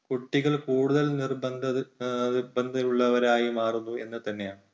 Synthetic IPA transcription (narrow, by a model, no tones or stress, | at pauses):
kuʈːiɣɐɭkuːɽuðɐlnirbɐnd̪ʱɐirbɐnd̪ʱɐuɭːɐʋɐɾaːjimaːrunːue̞̰nːɨt̪ɐnːe̞jaːɳɨ